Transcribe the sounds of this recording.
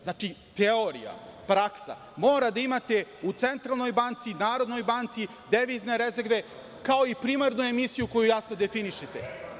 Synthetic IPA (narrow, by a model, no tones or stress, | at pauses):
znat͡ʃit̪eoɾḭja̰pɾaksa̰ | mo̞ːɾad̪aimat̪e̞ut̪se̞nt̪ɾalˠno̞jbant̪sinaːɾo̞d̪no̞jbant̪si | d̪eʋizne̞ɾe̞zeɾʋe̞ | kao̞ipɾimaɾnue̞misijuko̞jujasno̞d̪efiniʃet̪ḛ